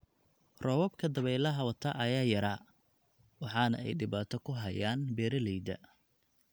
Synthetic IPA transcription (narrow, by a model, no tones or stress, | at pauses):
rɔːwɔbkʰɐd̪ɐβɛjlɐɦɐwɐt̪ʰɐʔɐjaːjɐɾaː | wɑħɑːnɐ̰ɛ̰jɖɪβaːt̪ʰɔkʰʊɦɐjaːnbɛːɾɐlɛjd̪ɐ̰